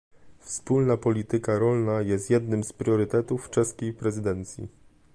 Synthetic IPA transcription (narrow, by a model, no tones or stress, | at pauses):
fspulnapɔlʲit̪ɘkaɾɔlnajɛst̪jɛd̪nɘmspɾʲjɔɾɘt̪ɛt̪ufːt͡ʂɛskʲejpɾɛzɘd̪ɛnt̪sʲjḭ